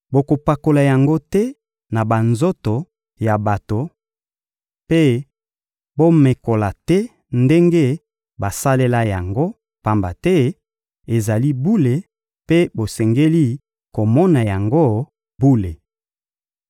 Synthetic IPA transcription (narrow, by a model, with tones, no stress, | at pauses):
bo˨ko˨pa˨ko˨la˨ja˨ŋɡo˦tɛ˦ | na˨ba˨nzo˦to˨ | ja˨ba˨to˨ | pe˦ | bo˦me˨ko˨la˨tɛ˦ | nde˦ŋɡe˦ | ba˨sa˦le˦la˦ja˨ŋɡo˦ | pa˨mba̰˨tɛ˦ | e˨za˨li˦bu˦le˨ | pe˦bo˨sɛ˨ŋɡe˦li˦ | ko˨mɔ˦na˨ja˨ŋɡo˦ | bu˦le˨